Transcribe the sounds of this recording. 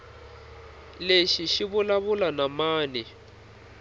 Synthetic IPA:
leʃiʃiβulaβulanamaːnɛ

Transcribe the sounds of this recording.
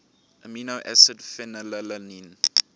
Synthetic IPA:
ʔəminoʔɛsədfɛnələlənin

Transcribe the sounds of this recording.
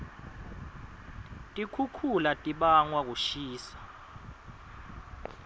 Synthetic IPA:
tʼikʰukʰulatʼiɓaŋwak̬uʃiːsḁ

